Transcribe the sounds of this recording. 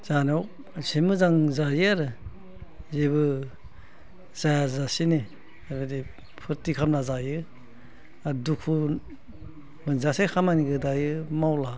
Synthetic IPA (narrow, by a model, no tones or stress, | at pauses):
z̥anɔw | simɯzaŋzajɯaɾɯ | zeβɯ | z̥ajazasini | abɯdi | pʰɯɾtikʰamnazajɯ | adukʰu | mɯnzasekʰamaniɡɯdajɯmawla